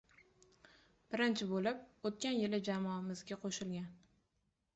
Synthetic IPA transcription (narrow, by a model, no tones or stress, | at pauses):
b̥ɪɾɪnt͡ʃʰɪbolɪp̚ot̪̚kʲanjɪlɪd͡ʒamɒmɪzɡʲaqʰoʃɪlɡʲan